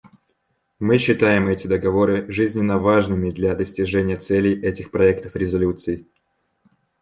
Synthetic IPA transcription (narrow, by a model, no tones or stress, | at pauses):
mɨɕːɪt̪ajɪmɛtʲɪd̪əɡɐvo̞ɾɨʐɨzʲnʲɪnːəvaʐnɨmʲɪd̪lʲad̪əsʲtʲɪʐɛnʲɪjət̪sɛlʲɪjʔɛtʲɪxpɾɐɛk̚t̪əfɾʲɪzɐlʲut̪sɨɪ